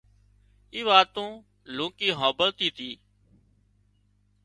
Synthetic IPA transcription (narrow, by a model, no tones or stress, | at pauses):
iːʋaːt̪ũː | lũːkiːɦãːbəlt̪iːt̪ʰiː